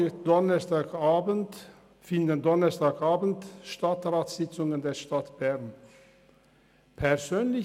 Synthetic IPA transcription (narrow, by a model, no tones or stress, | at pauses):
d̥ɔnɐstaːkaːbənt | fɪndəndɔnɐstaːkʔaːbn̩tʃtatʁaːtsz̥ɪt͡sʊŋəndeːɐʃtatb̥ɛʁn | pʰɛɐzøːnlɪ